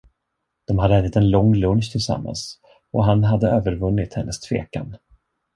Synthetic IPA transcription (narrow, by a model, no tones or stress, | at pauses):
d̪̥ɔmhadɾɾɛːd̪ɪt̪ɛnlɔŋːlɵnɕt̪ʰɪlsa̰mːa̰ns | ʔɔɦanɦad̪ːəøːvəɾvɵnːɪt̪hɛnːəst̪ʰv̥ḛːka̰n